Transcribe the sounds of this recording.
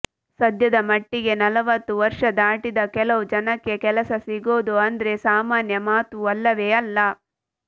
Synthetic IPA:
sɐd̪jɐd̪ɐmɐʈːiɡe̞nɐlɐʋɐt̪ːuʋɐɾʂɐd̪aːʈid̪ɐkɛlɐʋud͡ʒɐnɐkːe̞kɛlɐsɐsiɡo̞ːd̪uɐnd̪ɐɾe̞saːmaːnjɐmaːt̪uɐlːɐʋeːɐlːɐ

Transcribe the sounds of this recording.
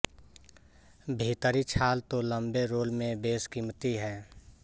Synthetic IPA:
bʱiːt̪əɾit͡ʃʰaːlt̪olə̃mbeɾoːlmẽbeːskimt̪iɦɛː

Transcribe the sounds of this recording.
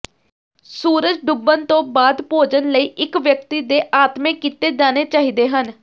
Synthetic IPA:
suːɾəd͡ʒɖʊbːənt̪õːbaːd̪poːd͡ʒənləiːʔɪkʋjək̚t̪iːd̪eːʔaːt̪mẽːkɪt̪eːd͡ʒaːneːt͡ʃaːɦiːd̪eːɦən

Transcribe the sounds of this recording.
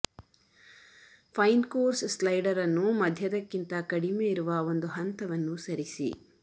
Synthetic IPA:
pʰɐjnkoːɾsslɐjɖɐɾɐnːumɐd̪ʱjɐd̪ɐkːint̪ɐkɐɽimeːiɾuʋɐo̞nd̪uɦɐnt̪ɐʋɐnːusɐɾisḭ

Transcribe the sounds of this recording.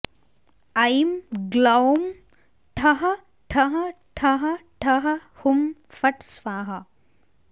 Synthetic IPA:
ɐjimɡlɐwm | ʈʰɐɦɐ | ʈʰɐɦɐʈʰɐɦɐʈʰɐɦɐhumfɐʈsʋaːɦɐ

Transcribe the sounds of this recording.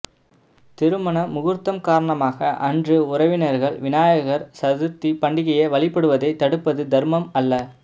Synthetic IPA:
t̪ɪɾɯmɐɳɐmʊɣɯɾt̪ːɐmkaːɾɐɳɐmaːɣɐʔɐndrɯʊɾɐʋɪnɐɾɣɐɭʋɪnaːjɐɣɐɾsɐðɯt̪ːipɐɳɖɪɣɐjɐʋɐɭɪpːɐɽɯʋɐðɐɪt̪ːɐɽɯpːɐðɯd̪ɐɾmɐmɐlːɐ

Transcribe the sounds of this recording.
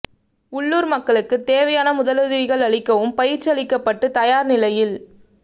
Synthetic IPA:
ʊɭːuːɾmɐkːɐɭɯkːɯt̪eːʋɐjaːnɐmʊðɐlɐðɪʋɪɣɐɭɐɭɪkːɐʋɯmpɐjɪɾt͡ʃːɐlɪkːɐpːɐʈːɯt̪ɐjaːɾnɪlɐjɪl

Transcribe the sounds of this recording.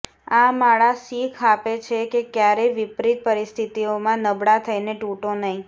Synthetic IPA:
amaɭasikʰapet͡ʃʰekekjaɾeʋipɾit̪̚pəɾist̪ʰit̪iomãnəbɽat̪ʰəjneʈuʈonəɦĩ

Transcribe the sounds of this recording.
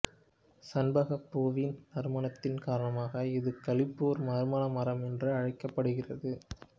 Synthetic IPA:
sɐnbɐɣɐpːoːʋinnɐɾmɐɳɐt̪ːɪnkaːɾɐɳɐmaːɣɐɪðɯkɐɭɪpːoːɾmɐɾɯmɐnɐmɐɾɐmɛndrɯɐɻɐɪkːɐpːɐɽɯɣɪrɐðɯ

